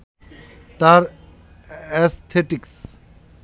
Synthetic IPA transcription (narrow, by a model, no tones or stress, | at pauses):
t̪aɾ | ɛst̪ʰeʈiks